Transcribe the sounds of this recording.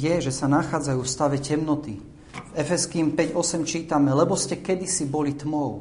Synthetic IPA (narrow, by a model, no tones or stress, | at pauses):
jɛʒɛsanaxaːd͡zajuːfst̪aʋɛcɛmnɔt̪i | ɛfɛskiːmpɛɟɔsɛmt͡ʃiːt̪amɛlɛbɔscɛkɛd̪isibɔlit̪mɔʊ